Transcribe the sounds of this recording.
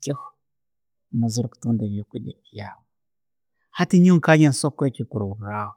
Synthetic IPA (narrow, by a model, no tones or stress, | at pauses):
kʲix | mazuɾktəŋdavikʷuɗija | hatiɲiŋkaɲansokʷːekikuɾɾaw